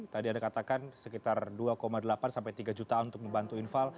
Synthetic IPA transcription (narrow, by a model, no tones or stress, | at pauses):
t̪adiandakat̪akansəkit̪arduakomadəlapansampajt̪iɡad͡ʒut̪aunt̪ʊk̚məmbant̪uinfal